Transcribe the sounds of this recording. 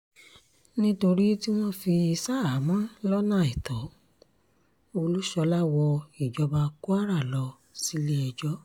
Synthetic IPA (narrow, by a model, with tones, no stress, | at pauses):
nĩ˦to˧ɾi˦ti˦w̃ɔ̃˦fi˧i˧sa˦a˨˦mã˦lɔ˦nã˦˨i˨tɔ˨˦ | o˧lu˦ʃɔ˧la˦wɔ˧i˨d͡ʒɔ˧ba˧ku˦a˦ɾa˦˨lɔ˧ | si˦le˦ɛ˧d͡ʒɔ˦